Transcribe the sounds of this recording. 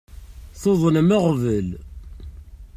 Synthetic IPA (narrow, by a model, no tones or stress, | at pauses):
θoðˤənməʁvəl